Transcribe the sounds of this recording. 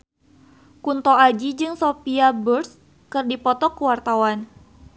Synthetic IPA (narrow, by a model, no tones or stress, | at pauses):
kunt̪ɔad͡ʒid͡ʒɨŋsopiaburs | kɨrdipɔt̪ɔkəwart̪awan